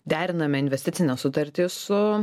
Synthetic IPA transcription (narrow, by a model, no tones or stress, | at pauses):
d̪ʲæːɾʲɪnɐmʲɛɪnʲʋʲɛsʲt̪ʲɪt̪sʲɪnʲɛsʊt̪ɐɾʲt̪ʲɪsʊ